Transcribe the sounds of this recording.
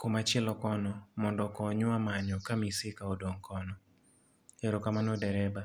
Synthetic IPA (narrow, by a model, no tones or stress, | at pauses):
komat͡ʃɛlɔkɔnɔmɔndɔkɔɲʊamaɲɔkamisɪkaodoŋkʰɔnɔ | eɾokamanɔdɛɾɛba